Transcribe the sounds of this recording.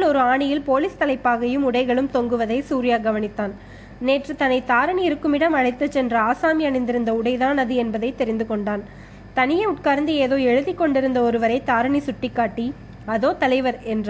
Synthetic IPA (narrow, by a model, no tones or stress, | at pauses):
ɭɔɾɯaːɳɪjɪlpoːliːst̪ɐlɐɪpːaːɣɐjɯmʊɽɐɪɣɐɭɯmt̪ɔŋɡɯʋɐðɐɪsuːɾɪjaːɡɐʋɐnɪt̪ːaːn | neːʈrɐt̪ɐnɐɪt̪aːɾɐɳiɪɾɯkːɯmɪɽɐmɐɻɐɪt̪ːɐt͡ʃːɛndrɐaːsaːmɪɐɳɪnd̪ɪɾɯnd̪ɐʊɽɐɪðaːnɐðɯɛnbɐðɐɪt̪ɛɾɪnd̪ɯkɔɳɖaːn | t̪ɐnɪjɐɪʊʈ̚kaːɾnd̪ɯeːðoːɛɻɯðɪkːɔɳɖɪɾɯnd̪ɐɔɾɯʋɐɾɐɪt̪aːɾɐɳisʊʈːɪkːaːʈːi | ɐðoːt̪ɐlɐɪʋɐɾɛndr